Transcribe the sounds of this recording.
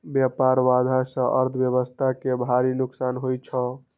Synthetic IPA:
bjapaɾʋad̪ʱasə̃ʔəɾt̪ʰbjəβəst̪ʰakebʱaɾinuksanɦojt͡ʃʰə

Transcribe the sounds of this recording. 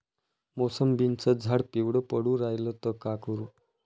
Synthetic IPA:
mosəmbint͡səd͡zʱaɽpiwɽəpəɽuːɾajlət̪əkakəɾuː

